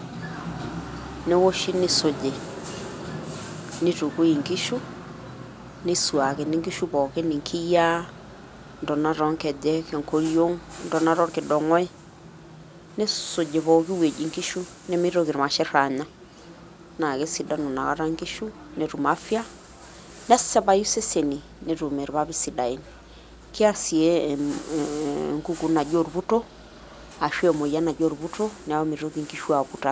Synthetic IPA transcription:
ne˦wo˦ʃi˦ne˦so˨d͡ʒe˨ | ne˦tu˨ko˦i˨ŋki˦ʃu˦ | ne˦swa˨ke˨ni˦ŋɡi˦ʃu˦pɔ˨ke˦ni˨ŋkʰi˦ja˦ | ndɔ˨na˦ɾɔ˦ŋkɛ˨dɛ˦kɛ˨ŋko˦ɾjo˦ŋndɔ˨na˦ɾɔ˦ŋke˨dɔ˨ŋɔ˦e˦ | ne˦so˨d͡ʒe˨pɔ˨ki˦we˨d͡ʒi˨ŋki˦ʃu˦ | ne˦mi˦ɾo˦ɣi˨ɾu˨ma˨ʃɛ˦ɾa˨ɲa˦ | na˨ɣɛ˦si˨da˦nu˨na˨ɣa˦ɾa˦ŋɡi˦ʃu˦ | ne˨ɾu˨ma˦fja˦ | n˦a˦si̥sa˦βa˦ju˦se˦se˨ni˨ | ne˨ɾu˨mɛ˨ɾβa˦βi˦si˨da˨i˨ni | ke˦a˦si˨ɛ˦ | ŋɡu˦ku˨˦na˨d͡ʒo˦ɾuβu˦tɔ˦ | a˨ʃwɛ˦˨mo˨i˨a˦na˨d͡ʒo˦ɾu˨βu˦tɔ˦ne˨a˨ɔ˦mi˨ɾo˦ɣi˨ŋɡi˦ʃu˦a˨βu˨ta˨

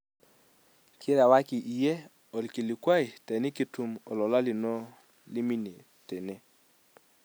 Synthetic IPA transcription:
kʰɪ˦ɾa˨wa˦ki˨ʔi˨je˦ | ɔ˨lki˨li˨kwa˦ɪ˨tɛ˨nɪ˦ki˦tu˨mɔ˨lɔ˨la˦lɪ˨nɔ˦ | li˦mi˦ne˨ | tɛ˨ne˦

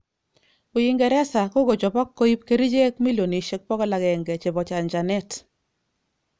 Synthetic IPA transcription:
o˨ji˦ŋɡɛ˨ɾɛ˦sa˨ko˦ɡo˨d͡ʒɔ˨bɔ˦kːo˦i˦pke˨ɾi˦d͡ʒe˦kmi˦lo˨ni˨ʃe˦k̚pɔ˦ɡɔ˦la˨ɡɛ˨ŋɡɛ˨t͡ʃe˨bɔ˨t͡ʃa˨nd͡ʒa˨nɛ˦t

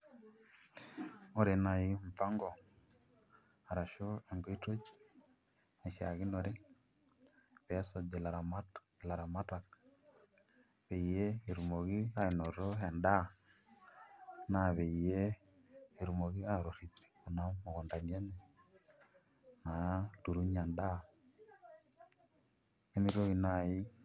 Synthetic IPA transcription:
o˦ɾe˨na˨ji˦ɱ˨fa˦ŋɡo˨ | a˨ɾa˨ʃo˦e˨ŋɡe˦i˦to˦t͡ʃi̥ | ne˨ʃa˨ɣi˦no˨ɾi˦ | βe˦so˨d͡ʒe˨la˨ɾ | la˨ɾa˨ma˦ta˨k | βe˨ije˦e˨ɾu˨mo˨ɣi˦a˦i˨no˨ɾo˦he˨nda˦ | naβe˨ijeː˦˨ | ɾu˨mo˨ɣi˦aɾo˨ɾi˨ti̥˨o˨na˦mo˨ɣo˨nda˨ɲe˦ne˨ | na˨tu˨ɾu˦ɲa˨nda˦ | e˦mi˦ɾo˦ɣi˦na˨ji˦

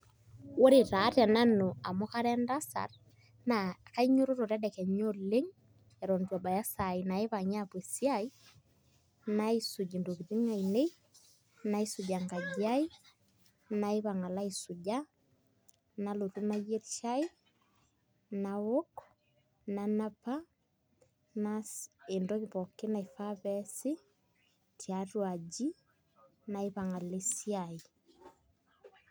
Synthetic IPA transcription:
wo˦ɾe˨ɾa˨˦ɾa˨na˦no˨a˨mo˦ka˦ɾɛnda˦sa̰˨r | na˨ka˦iɲo˦ɾo˦ɾo˨ɾɛ˦dɛ˨kɛ˨ɲɔ˦le˦ŋ | ɛ˨ɾɔ˨ndwa˨ba˨ja˦sa˨ina˨e˦βa˨ɲa˦pwe˨si˦ai˦ | naisu˨d͡ʒi˨ndo˨ki˨di˦ŋa˨ine˦ | na˦i˦sud͡ʒa˨ŋɡa˨ɡia˦i˦ | na˨i˦βa˨ŋa˨la˦i˨su˨d͡ʒa | na˨lo˨ɾu˦na˦jɛ˦ɾʃai˦ | nawo˦k | nana˦pa˦ | nae˨ndɔβiβɔke˦na˨i˨fa˦βɛsi˦ | tja˨rwa˨d͡ʒi˦ | na˨e˦βa˨ŋa˨lesi˦ai

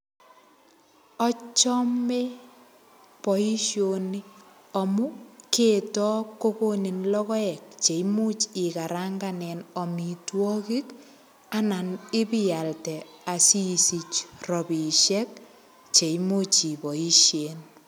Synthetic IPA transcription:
ɔ˦t͡ʃɔ˦me˦ | pɔ˨i˦ʃjo˨ni˦ | ɔ˨mʊ˦ke˦tɔ˦kːo˦ko˦ni˨nlɔ˦kɔ˦ɛ˨k̚t͡ʃe˨imu˦t͡ʃɪ˨ka˨ɾa˦ŋɡa˨nɛ˨nɔ˨mi˨twɔ˦ki˦k | a˦na˨nɪ˦pɪ˦ja˨ltɛa˨si˦si˨t͡ʃrɔ˨bi˨ʃɛ˦k̚ | t͡ʃe˨imo˦t͡ʃi˨pɔ˨i˦ʃje˨n

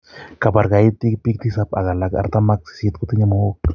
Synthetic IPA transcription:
ka˨pa˨ɾka˨i˦t̪i˦kpi˦k̚t̪i˦sa˦pa˨ka˨la˨ka̰˨ɾt̪a˦ma˦k̚si̥˨si˦t̪̚ku˨t̪i˦ɲa˦mo˦o˦k̚

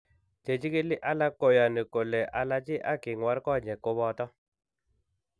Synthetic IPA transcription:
d͡ʒe˨d͡ʒi˦ki˦li˦ʔa˦la˦ko˨ja˨ni˨ko˨lɛ˨ʔa˨la˦d͡ʒi˦ʔa̰˦ki˨ŋwa˦ɾkɔ˦˨ɲɛ˨ko˦βɔ˧˨tɔ˦

